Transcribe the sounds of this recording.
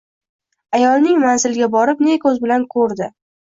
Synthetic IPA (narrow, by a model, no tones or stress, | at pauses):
ajɒlˠnɪŋmanzɪlɡʲabɒɾɪpnekʰɵzbɪlankʰɵɾd̪ɪ